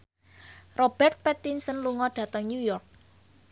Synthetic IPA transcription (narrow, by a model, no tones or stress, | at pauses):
rob̥ɛrt̪̚pɛt̪insənluŋɔɖ̥ä̤t̪ɔŋnjujɔrk̚